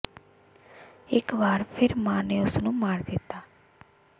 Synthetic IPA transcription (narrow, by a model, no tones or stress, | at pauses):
ɪkʋaːɾpʰɪɾmãːneːʊsnũːmaːɾd̪ɪt̪ːaː